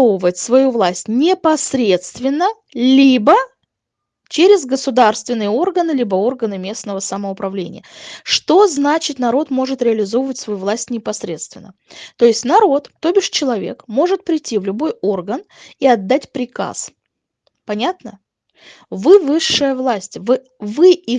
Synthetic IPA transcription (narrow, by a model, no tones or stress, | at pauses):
ovəvətʲsvɐjuvlˠasʲtʲnʲɪpɐsɾʲe̞t̪st̪vʲɪnːə | lʲibə | t͡ɕeɾʲɪzɡəsʊd̪arst̪vʲɪnːɨjəo̞rɡənɨlʲibəo̞rɡənɨmʲe̞snəvəsəməʊpɾɐvlʲḛnʲɪ̰jəʂt̪o̞znat͡ɕɪt̪nɐɾo̞t̪mo̞ʐɨt̪ɾʲɪɐlʲɪzo̞vəvətʲsvɐjuvlˠasʲtʲnʲɪpɐsɾʲe̞̰t̪st̪vʲɪnːə | t̪o̞jɪsʲtʲnɐɾo̞t̪t̪o̞bʲɪʂt͡ɕɪlˠɐvʲḛkmo̞ʐɨt̪̚pɾʲɪtʲːivlʲʊbo̞jo̞rɡən | iɐd̪ːatʲpɾʲɪka̰s | pɐnʲat̪nə | vɨvɨʂːɨjəvlˠasʲtʲvɨ | vɨi